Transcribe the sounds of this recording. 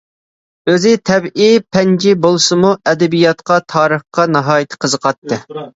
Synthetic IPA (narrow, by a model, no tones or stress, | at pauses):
øzɪt̪ʰɛbʔipʰɛnd͡ʒibolˠsɨmuɛd̪ɛbijɑt̪qɑt̪ʰɑːɾəχqɑnɑɦɑːjɪt̪ʰɨ̥qʰəzəqʰɑt̪ːɨ